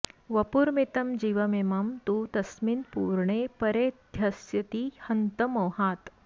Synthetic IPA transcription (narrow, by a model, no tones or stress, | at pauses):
ʋɐpuːɾmit̪ɐmd͡ʑiːʋɐmemamt̪uːt̪ɐsminpuːɾɳepɐɾed̪ʱjɐsjɐt̪ihɐnt̪ɐmoːhaːt̪